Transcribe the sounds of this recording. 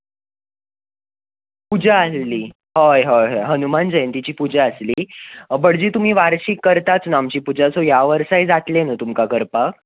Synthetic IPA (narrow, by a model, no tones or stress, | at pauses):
pud͡ʑaallːiː | ɦojɦojɦjɦənumand͡ʑəent̪it͡ɕiːpud͡ʑaəsliːbəɽd͡ʑiːt̪um̤iːʋaɾɕikːəɾt̪at͡snamt͡ɕiːpud͡ʑat͡sojaʋəɾsajd͡zat̪lenət̪umkakəɾpak̚